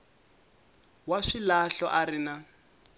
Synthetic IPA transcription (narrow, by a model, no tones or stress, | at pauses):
waʂilaɬɔʔaɾina